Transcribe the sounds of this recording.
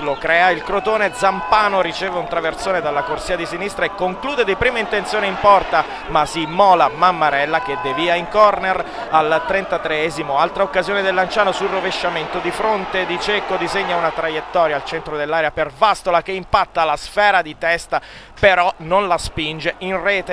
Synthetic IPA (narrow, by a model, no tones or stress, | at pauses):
lokɾɛːailkɾot̪oːned̪zampaːnoɾit͡ʃɛːveunt̪ɾavert̪soːned̪alːakorsiːad̪isinist̪ɾaekːoŋkluːd̪ed̪ipɾiːmaint̪ent̪sjoːneimpɔrt̪a | masimɔːlamamːaɾɛlːaked̪eviːaiŋkɔrner | alt̪ɾɛnt̪at̪ɾeɛːzimoalt̪ɾaokːazjoːned̪elːant͡ʃaːnosulroveʃːament̪od̪ifɾont̪ed̪it͡ʃɛkod̪izeɲːaunat̪ɾajet̪ːɔːɾjaːlt͡ʃɛnt̪ɾod̪elːaːɾjapervast̪olakeimpat̪ːalasfɛːɾad̪it̪ɛst̪a | peɾɔnonlaspind͡ʒeinrɛːt̪e